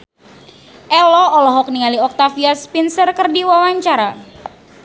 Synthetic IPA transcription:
ʔɛlɔɔlɔɦɔk̚nialiɔk̚t̪afiaspinsərkərdiwawaɲt͡ʃaɾa

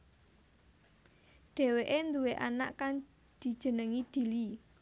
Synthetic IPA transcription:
ɖ̥e̤weʔend̪uweʔana̰ʔkaŋ | d̪̥i̤d̥ʒ̥ə̤nəŋid̪̥i̤li

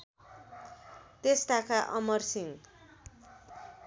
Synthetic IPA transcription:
t̪est̪akaʔʌmʌrsiŋ

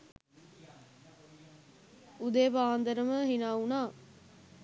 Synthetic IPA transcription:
ʊd̪eːpaːnd̪əɾəməɦɪnaːunaː

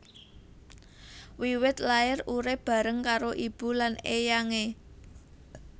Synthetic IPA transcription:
wiwɪt̪laɪruɾeb̥a̤ɾəŋkaɾoʔib̥ṳlanejaŋe

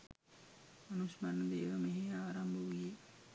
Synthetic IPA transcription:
manusmanːəd̪eːʋɐmeɦeaːɾambəʋije

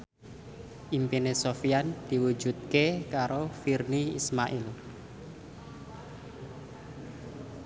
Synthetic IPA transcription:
ʔimpinesofiand̪̥iwu̥d͡ʒ̥ṳt̪̚kekaɾofirniḭsmaʔil

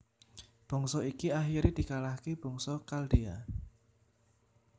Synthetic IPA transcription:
b̥ɔ̤ŋsɔikiaxiɾid̪̥i̤kalahkib̥ɔ̤ŋsɔkaldia

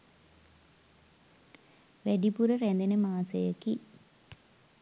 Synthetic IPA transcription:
ʋeɖipuɾɐreːnd̪inemaːsɐ̰jɐkːi

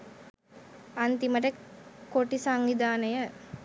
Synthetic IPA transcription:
ant̪iməʈ̬əkːoʈisaŋʋid̪aːnəjə

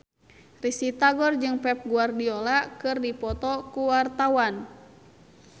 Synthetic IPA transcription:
risit̪aɡɔrd͡ʒɨŋpɛp̚ɡuardiɔlakɨrdipɔt̪ɔkuwart̪awan

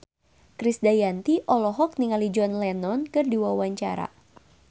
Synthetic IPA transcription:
kɾisdajant̪iʔɔlɔɦɔk̚niŋalid͡ʒɔnlɛnɔnkɨrdiwawaɲt͡ʃa̰ɾa̰

